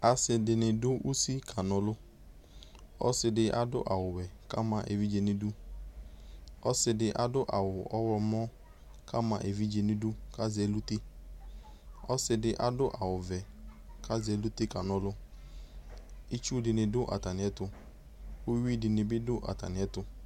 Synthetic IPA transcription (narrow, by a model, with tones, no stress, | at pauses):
a˨sɪ˧dɪ˨nɪ˨dʊ˦ʔu˦si˦kʰa˨nɔ˦lʊ˦ | ɔ̰˦sɪ˧dɪ˧ʔa˦dʊ̰˦ʔa˨wʊ˨wɛ˨ka˦ma˨ʔḛ˨vi˦d͡ʒe˨ni˦du˦ | ɔ̰˦sɪ˧dɪ˨ʔa˨dʊ˦ʔa̰˨wʊ˨ɔ˦wɔ˧mɔ˦ | ka˦ma˨ʔe˨vi˦d͡ʒe˨nɪ˦du˦ka˦zɛ˦lu˦te˦ | ɔ˦sɪ˧dɪ˦ʔa˨dʊ˦ʔa˨wʊ˨vɛ˨kʰa˦zɛ˨˦lu˦te˦ka˨nɔ˦lʊ˦ | i˦t͡ʃu˦dɪ˨nɪ˨dʊ˦ʔa̰˨ta˨nɪ˨ɛ˦tʊ˧ | u˦wi˦dɪ˨nɪ˨bɪ˦dʊ˦ʔa̰˨ta̰˨nɪ˨ɛ˦tʊ˧